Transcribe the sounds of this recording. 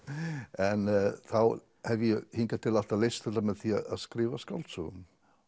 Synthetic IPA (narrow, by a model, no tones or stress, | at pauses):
ənəθaw | hɛvihiːnɡadalˠatʰalɪst̪ədaməðθiːaaskrɪvaskɔltʰṵ